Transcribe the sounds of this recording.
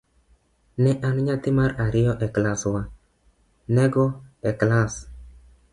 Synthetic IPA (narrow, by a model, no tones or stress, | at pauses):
nɛʔanɲat̪ɪmaɾaɾɪjɔʔɛklaswa | nɛɡɔɛklas